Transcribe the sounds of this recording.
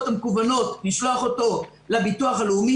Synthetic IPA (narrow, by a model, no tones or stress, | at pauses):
tamekuvano̞tliʃloaχo̞to̞ | labituaχalumi